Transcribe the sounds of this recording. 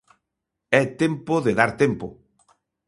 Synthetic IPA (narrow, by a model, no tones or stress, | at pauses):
ɛt̪empoðeðaɾt̪empo